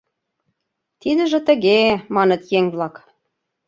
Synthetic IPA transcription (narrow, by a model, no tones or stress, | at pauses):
t̪id̪ə̆ʒə̆t̪ə̆ɣemɑnə̆t̪jeŋblɑk